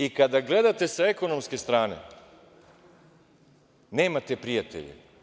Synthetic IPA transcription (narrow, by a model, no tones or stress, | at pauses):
ikad̪aɡle̞d̪at̪e̞sae̞ko̞no̞mske̞st̪ɾaːnḛ | ne̞ːmat̪epɾijat̪ḛʎḛ